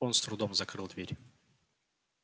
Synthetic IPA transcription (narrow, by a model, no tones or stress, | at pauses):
onst̪ɾʊd̪omzɐkɾɨlˠd̪vʲeɾʲ